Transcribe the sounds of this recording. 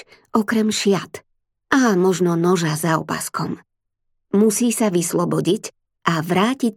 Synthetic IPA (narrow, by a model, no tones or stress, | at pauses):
ɔkɾɛmʃɪat̪ | ʔaːmɔʒnɔnɔʒazaɔ̰pa̰skɔm | musiːsaʋislɔbɔɟic | ʔaʋɾaːci